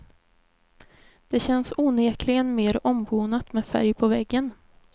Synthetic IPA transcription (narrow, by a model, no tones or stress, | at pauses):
d̪̥ɛɕɛnsuːneːkʰlɪɡənmeːɾɔmbuːnat̪mɛːfæ̰ɾjpʰɔvɛɡːən